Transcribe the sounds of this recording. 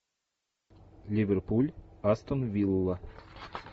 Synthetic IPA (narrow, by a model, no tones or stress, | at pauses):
lʲivʲerpulʲast̪onvʲilˠːə